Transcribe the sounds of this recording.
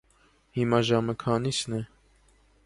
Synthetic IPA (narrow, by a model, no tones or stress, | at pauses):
himɑʒɑməkʰɑnisnɛ